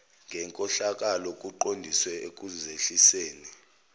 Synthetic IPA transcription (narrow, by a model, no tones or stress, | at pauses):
ŋɡʱɛŋkʼɔɬak̬ʼalɔk̬ʼuǃondʱiswɛek̬ʼuzeɬiseːni